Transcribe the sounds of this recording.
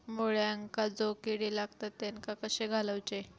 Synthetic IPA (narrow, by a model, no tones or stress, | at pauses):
moɭjaŋkad͡zokiɽilaɡ̚t̪at̪ːenkakəɕeɡʱaləwt͡ɕe